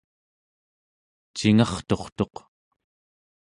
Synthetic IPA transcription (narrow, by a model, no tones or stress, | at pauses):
t͡ʃiŋɑχt̪o̞χt̪o̞q